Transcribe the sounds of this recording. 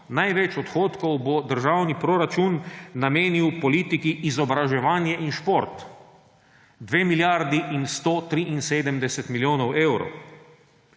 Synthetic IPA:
najʋɛt͡ʃɔt̪xoːt̪kɔwbɔd̪əɾʒawnipɾoɾat͡ʃunːameːniwpɔliːt̪ikiʔːzɔbɾaʒɛʋaːnjɛʔinʃpoɾt̪ | d̪ʋeːmiljaɾd̪iʔinst̪oːt̪ɾiʔinseːd̪əmd̪ɛsɛt̪miljoːnɔweːwɾɔ̰

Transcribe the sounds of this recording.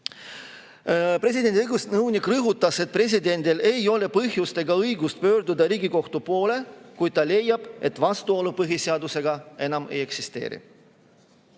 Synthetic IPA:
pre̞s̬ʲid̪e̞nd̪ʲiɯjɡusnɤwnikrɤɦut̪ːˑɑse̞t̪̚pre̞s̬ʲid̪e̞nʲd̪ile̞jo̞le̞pɤɦjust̪e̞ɡɑɤjɡust̪̚pø̞ːɾd̪ud̪ɑɾiːɡiko̞ht̪upo̞ːle̞kujd̪̥̚t̪ɑle̞jːɑb̥e̞̰t̪ːˑvɑst̪uo̞lupɤɦiseɑd̪use̞ɡɑe̞nɑme̞̰je̞ksist̪e̞̰ːɾḭ

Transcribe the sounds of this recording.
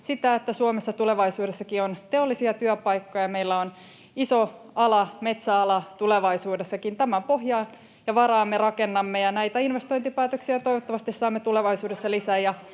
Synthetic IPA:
sit̪æet̪ːæsuomesːɑt̪uleʋɑisuːdesːɑkiont̪eolːisiɑt̪yøpɑijkːo̞jɑme̞ilːæon | iso | ɑlɑme̞t̪sæɑlɑt̪uleʋɑisuːdesːɑkint̪æmæmpohjɑːn | jɑʋɑrɑːmːerɑkenːɑmːejɑnæit̪æinʋest̪oint̪ipæːt̪øksiæt̪ojʋot̪ːɑʋɑst̪issɑːmːet̪uleʋɑisuːdesːɑlisæːjɑ

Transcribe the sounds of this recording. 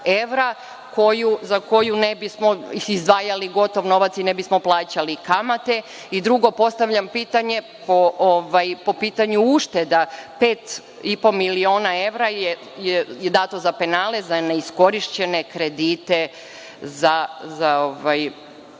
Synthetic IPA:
e̞ʋɾa | kʰo̞juzako̞junebismo̞izd̪ʋaːjaliɡo̞t̪o̞ʋno̞ʋat̪sine̞bismo̞plˠaːt͡ɕalikamat̪e̞ | id̪ɾuɡo̞po̞st̪aʋʎampiːt̪aɲe̞ | poʔoʋajpo̞piːt̪aɲuuʃt̪e̞d̪apeːt̪ | ipo̞milio̞ːnae̞ʋɾaje | jejed̪aːt̪o̞zape̞naːle̞zaneisko̞ɾiʃt͡ɕe̞ne̞kɾe̞d̪iːt̪e | zazaoʋaj

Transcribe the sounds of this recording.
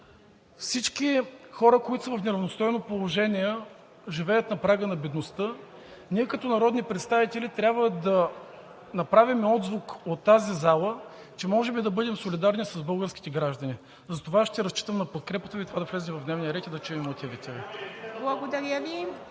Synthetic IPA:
fsit͡ʃkixɔɾəkoit̪ʊ̥səvɐfnɛɾɐvnost̪ɔjnopolˠoʒɛnʲiɛ | ʒivɛjət̪nɐpɾaɡənɐbɛd̪nost̪ɤ | niɛkɐt̪ɔnɐɾɔd̪nipɾɛt̪st̪avit̪ɛlʲit̪ɾʲjabvəd̪ɐ | nɐpɾavimɛɔd̪zvukot̪ːazizalˠə | t͡ʃɛmɔʒɛbid̪ɐbɤd̪ɛmsolʲid̪aɾnisɐzbɤlˠɡəɾskʲi̥t̪ɛɡɾaʒd̪ɐni | zɐt̪ovaʃt̪ɛɾɐst͡ʃi̥t̪əmnɐpot̪̚kɾɛpət̪əvit̪ovad̪ɐflɛzɛmvɐvd̪nɛvnijɐɾɛt̪id̪ɐt͡ʃɛimɐt̪ʲivit̪ɛviblˠɐɡod̪ɐɾʲəvi

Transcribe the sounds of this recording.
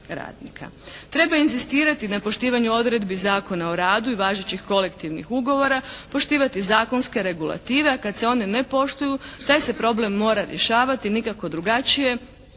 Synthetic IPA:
ɾa̰ːd̪nḭkʰa̰t̪ɾe̞bainzist̪iːɾat̪inapo̞ʃt̪iːʋaɲuo̞d̪ɾe̞d̪bizaːko̞naoɾaːd̪uiʋaːʒet͡ɕixko̞le̞kt̪iʋnḭxuɡo̞ʋo̞ɾapo̞ʃt̪iːʋat̪izaːko̞nske̞ɾe̞ɡulˠa̰t̪iːʋe̞akad̪se̞o̞nene̞po̞ʃt̪ujut̪aːjse̞pɾo̞ble̞mːo̞ːɾaɾje̞ʃaːʋat̪inikako̞d̪ɾuɡat͡ʃije̞

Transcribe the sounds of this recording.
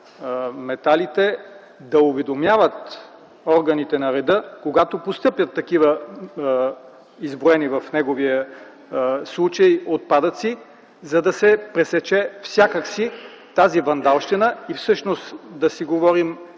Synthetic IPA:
mɛt̪alit̪ɛ | d̪ɐʊvɛd̪omjavət̪ | ɔɾɡɐnit̪ɛnɐɾɛd̪ɤkoɡat̪opost̪ɤpjɐt̪ːɐkivə | izbɾoɛnivɐfnɛɡoviə | slˠut͡ʃəjot̪̚pad̪ɐt̪si | zɐd̪ɐsɛpɾɛsɛt͡ʃɛfsʲjakəksi | t̪azivɐnd̪alˠʃt̪ɛnəifsɤʃnost̪d̪ɐsiɡovɔɾim

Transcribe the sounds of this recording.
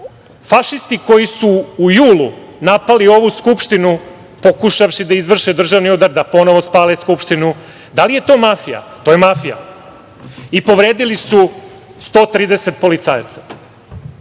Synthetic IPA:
faʃist̪iko̞jisuːjuːlunapalio̞ʋuskupʃt̪inu | po̞kuʃafʃid̪aizʋr̩ʃed̪r̩ʒaʋniud̪aɾd̪apo̞no̞ʋospaːleskupʃt̪inu | d̪alije̞t̪o̞ːmafija̰t̪o̞ːjemafija̰ | ipo̞ʋɾe̞ːd̪ilisu | st̪o̞ːt̪ɾiːd̪ese̞t̪̚po̞lit̪saja̰t̪sḁ

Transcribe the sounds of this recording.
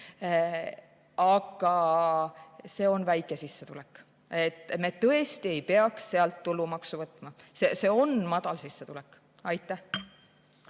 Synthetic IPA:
ɑɡ̥ɑ | se̞ːo̞nvæjkːˑe̞sisːe̞t̪ulekːˑ | e̞t̪ːˑme̞t̪ɤ̞e̞st̪ie̞jpe̞ɑksseɑlt̪ːulːumɑksuvɤt̪ːˑmɑse̞se̞o̞nmɑd̪̥ɑlsisːet̪ulɛkːˑ | ɑjt̪ːˑæh

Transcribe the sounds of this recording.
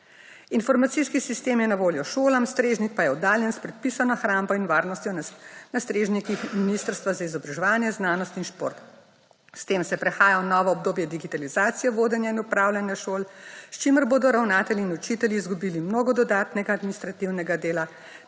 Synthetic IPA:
infɔɾmat̪siskisist̪eːmjɛnaʋoːljɔʃoːlamst̪ɾeːʒnik̪pajɛɔd̪aːljɛnspɾɛt̪̚pisanɔxɾaːmbɔinʋaːɾnɔst̪jɔnast̪ɾeːʒnikixminist̪əɾst̪ʋazaizɔbɾaʒɛʋaːnjɛznaːnɔst̪inʃpo̰ːɾt̪ | st̪eːmsɛpɾɛxaːjanɔʋɔɔbd̪oːbjɛd̪iɡit̪alizaːt̪sijɛʋoːd̪ɛnjainupɾaːwlʲjanjaʃoːlst͡ʃiməɾboːd̪ɔɾawnaːt̪ɛljiːnut͡ʃit̪ɛljiːzɡubiːlimnoːɡɔd̪ɔd̪aːt̪nɛɡaːd̪minist̪ɾat̪iwnɛɡad̪eːla

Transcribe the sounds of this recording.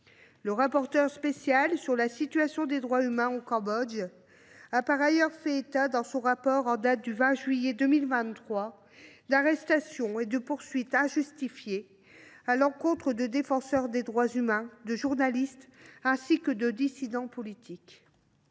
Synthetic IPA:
ləʁapɔʁt̪œʁspesjalsyʁlasit̪ɥasjɔ̃d̪ed̪ʁwaymɛ̃okɑ̃bɔd̪ | apaʁajœʁfɛet̪ad̪ɑ̃sɔ̃ʁapɔʁɑ̃d̪at̪̚d̪yvɛ̃ʒɥijed̪əmilvɛ̃t̪t̪ːχwa | d̪aʁɛst̪asjɔ̃ed̪əpuʁsɥit̪ɛ̃ʒyst̪ifje | alɑ̃kɔ̃t̪χəd̪əd̪efɑ̃sœʁd̪ed̪ʁwazymɛ̃d̪əʒuʁnalist̪ɛ̃sikəd̪əd̪isid̪ɑ̃pɔlit̪ʰik

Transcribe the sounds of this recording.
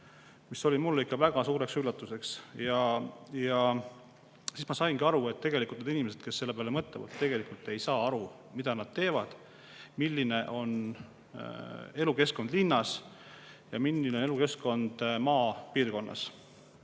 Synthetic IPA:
miso̞lʲimulːikːˑɑvæɡ̥ɑsuːɾe̞ksylːɑt̪ːˑuse̞ksjɑjɑ | sismɑsɑjnɡiɑɾue̞t̪ːe̞ɡ̥e̞likˑult̪nd̪inimese̞d̪̥̚ke̞sːe̞lːe̞peɑlemɤt̪ːˑevɑ̰lt̪ːe̞ɡ̥e̞likult̪ːˑe̞jsɑːɑɾu | mid̪ɑnɑd̪̥̚t̪e̞ːvɑd̪̥ | milːine̞ʔo̞n | e̞luke̞sko̞nd̪̥linːɑs | jɑ̰milːinee̞luke̞sko̞nd̪̥mɑːpiːrko̞nːɑ̰s

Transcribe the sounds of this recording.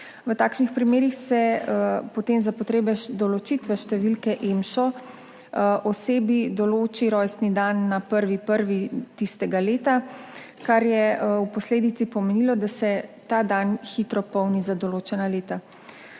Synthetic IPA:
ʋət̪aːkʃnixpɾimeːɾixsɛpɔt̪eːmzapɔt̪ɾeːbɛd̪ɔlɔt͡ʃit̪ʋɛʃt̪ɛʋilkɛʔemʃɔ | ʔɔseːbid̪ɔloːt͡ʃiɾɔːjst̪nid̪anːapəɾʋipəɾʋit̪ist̪ɛɡaleːt̪a | kaɾjɛupɔsleːd̪it̪sipɔmenilɔd̪asɛt̪aːd̪anxit̪ɾɔpɔwnizad̪ɔloːt͡ʃɛnaleːt̪a

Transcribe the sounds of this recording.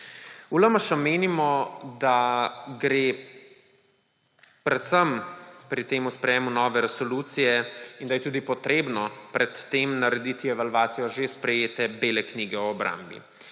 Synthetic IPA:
ulamaʃameːnimɔd̪aɡɾeː | pɾɛt̪səmpɾit̪eːmuspɾɛjeːmunɔːʋɛɾɛsɔluːt̪sijɛind̪ɐjɛt̪uːd̪ipɔt̪ɾeːbnɔpɾɛt̪ːeːmnaɾɛd̪it̪iɛʋalʋaːt̪sijɔʒespɾɛjeːt̪ɛbeːlɛkniːɡɛɔːbɾʔa̰mbḭ

